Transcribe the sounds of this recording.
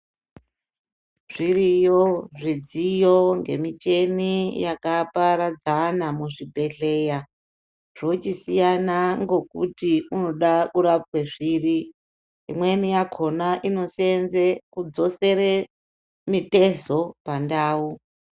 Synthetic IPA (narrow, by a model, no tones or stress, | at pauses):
ʐ̥irijoʐid͡zijo̞ŋɡe̞̰mit͡ʃe̞nijakapaɾad͡zanamuʐibʱe̞ɮe̞ːja | ʐ̥ot͡ʃisijanaŋɡo̞kṵtiuno̞ɗakuɾapweʐiːri | imwe̞nijakʰo̞naʔino̞senzekud͡zo̞se̞ɾe | mite̞zo̞pandaːu